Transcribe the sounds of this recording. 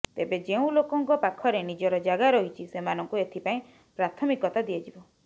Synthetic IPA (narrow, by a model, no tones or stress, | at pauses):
t̪ebed͡ʒeũlokɔŋkɔpakʰɔɾenid͡ʒɔɾɔd͡ʒaɡaɾɔɦit͡ʃʰisemanɔŋkuet̪ʰipaĩ | pɾat̪ʰɔmikɔt̪ad̪iɔd͡ʒibɔ